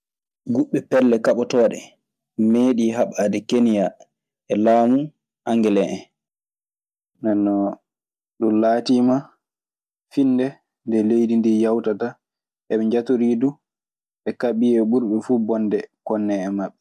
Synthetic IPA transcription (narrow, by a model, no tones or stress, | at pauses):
ɡuɓːɛpɛlːɛkaɓɔtɔːɗɛ̰ | meːɗiɦaɓadɛkenija | ɛlaːmu | ʔaŋɡɛlɛʔɛ | nɛnːɔ | ɗumlaːtiːma | finːdɛ | ndɛlejdindijawtata | ʔɛɓɛɲd͡ʒatoɾiːdu | ɓɛkaɓijɛɓuɾɓɛfuːbɔndɛkɔnːɛɛmaɓːɛ